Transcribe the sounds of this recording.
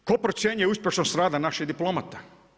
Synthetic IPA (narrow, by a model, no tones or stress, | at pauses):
kopɾot̪sjenujeuspʲjeʃnost̪ɾaːd̪anaʃid̪iplˠomat̪a